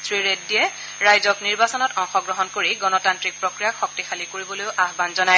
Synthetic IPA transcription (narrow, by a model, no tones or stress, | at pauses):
sɹiɹet̚dijɛ | ɹajzɔkniɹbasɔnɔtɔŋxɔɡɹɔɦɔnkoɹiɡɔnɔtantɹik̚pɹokɹijaxɔk̚tixalikoɹibɔlojʊʔaɦbanzɔnaj